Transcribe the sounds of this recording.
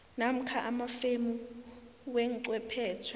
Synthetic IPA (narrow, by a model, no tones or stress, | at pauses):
nam̩kʰaʔamafemu | wɛŋǀwɛpʰɛːtʰwɛ